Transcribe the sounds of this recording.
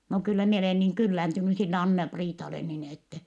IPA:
no kylːæ mie oleˑ niŋ kylːæntyny silːe ɑnːɑpriːtɑle nin etːɛ

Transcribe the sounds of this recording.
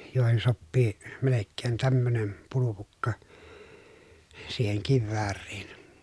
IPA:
joˑehen sopːiː melekːeːn tæmːønem pulupukːɑ siːheŋ kiʋːæːrːiːn

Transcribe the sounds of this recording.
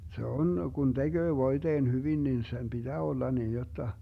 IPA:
se on ɡ̊un d̥eɡ̊øː ʋoid̥eːn hyʋin nin sem b̥id̥æː olːɑ niːn jotːɑ

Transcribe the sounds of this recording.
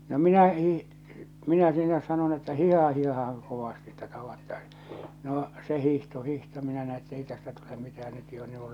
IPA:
no minæ hiː minæ sinæ sɑnon etːæ hiˑhɑhɑ hiˑhɑhɑŋ koʋɑsti etːæ tɑʋɑtːɑi̥s noː se hihto hihto minæ næi etːei tæstæ tule mitæhæn nyt jo on niːŋ ku̥

